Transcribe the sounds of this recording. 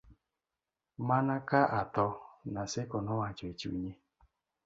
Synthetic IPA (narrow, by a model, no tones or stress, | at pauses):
manakaʔatɔnasɪkɔnɔwat͡ʃɔet͡ʃiṵɲe